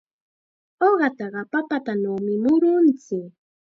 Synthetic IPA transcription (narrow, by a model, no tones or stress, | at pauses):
oɢɑt̪ɑɢɑpapat̪anawmɪmʊɾʊnt͡sɪk